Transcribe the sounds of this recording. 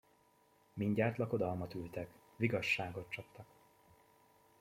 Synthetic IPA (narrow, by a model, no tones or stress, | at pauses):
miɲɟaːt̪lɒko̞d̪ɒlmɒt̪ylt̪ɛk | ʋiɡɒʃːaːɡo̞t̪̚t͡ʃɒpt̪ɒk